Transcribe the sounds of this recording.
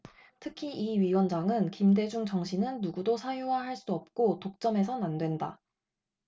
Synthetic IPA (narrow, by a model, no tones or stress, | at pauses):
tʰɯkʰiiɥiwʌnd͡ʑaŋɯnkimde̞d͡ʑuŋt͡ɕʌŋɕʰinɯnːuɡudosʰajuwahaɭs͈uʌp̚k͈otok̚t͡ɕ͈ʌme̞s̬ʰʌnandwe̞nda̰